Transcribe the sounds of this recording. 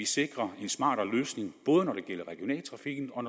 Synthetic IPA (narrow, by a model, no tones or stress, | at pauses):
ise̝ɡ̥ʁɐe̝nsmɑ̰̈ːɾ̥ɐløːsne̝ŋb̥ɔ̽ːð̞ˠənɒɾe̝ɡ̥el̰ɐʁɛɡ̥ijo̝nɛ̰ːlt͡sʰʁɑ̈fiɡ̥n̩ɒ̽